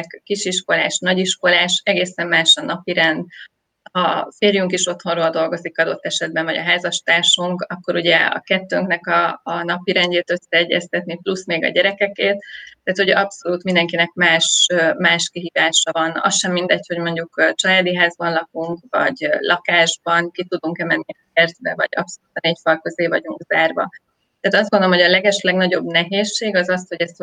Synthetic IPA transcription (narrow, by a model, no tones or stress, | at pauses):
kkiʃiʃko̞la̰ːʃnɒɟiʃko̞laːʃɛɡeːsɛmːaːʃɒnɒpiɾɛnd̪ | hɒfeːrjyŋkiʃo̞t̪ho̞nroːld̪o̞lɡo̞zikɒd̪o̞t̪ːɛʃɛd̪̚bɛɱvɒɟɒ̰ɦaːzɒʃt̪aːʃuŋkɒkːo̞ɾuɟɛɒ̰kɛt̪ːøːŋknɛkɒːnɒpiɾɛnɟeːt̪ø̞sːɛːɟːɛst̪ɛt̪niplusmeːɡɒ̰ɟɛɾɛkɛkeːt̪ːɛːt̪hoɟʔɒpso̞luːt̪mind̪ɛŋkinɛkmaːʃmaːʃkiɦiːvaːʃɒvɒnɒ̰sʃɛmːind̪ɛcho̞ɟmo̞ɲɟukːt͡ʃɒlaːd̪iɦaːzbɒnlɒkuŋkvɒ̰ɟlʔɒkaːʒbɒŋkit̪ud̪uŋkɛmɛnːiɛkɛrzbɛvɒ̰ɟɒ̰pso̞luːt̪ɒneːcfɒlkøzeːvɒɟuŋkz̥aːrvɒ̰ | t̪æːt̪ɒzd̪ɡond̪oomɦo̞ɟɒlɛɡɛʃlɛɡnɒɟo̞bnɛɦeːʃːeːɡɒzɒsho̞ɟɛst̪